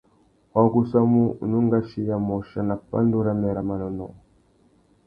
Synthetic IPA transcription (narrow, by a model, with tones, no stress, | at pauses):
a˦ɡu˦sa˦mu˦˨nu˦ŋɡa˦ʃi˦ja˨mɔ˨ʃa˦na˨pa̰˦ndu˦ɾa˦mɛ˨ɾa˨ma˨nɔ˨nɔ˨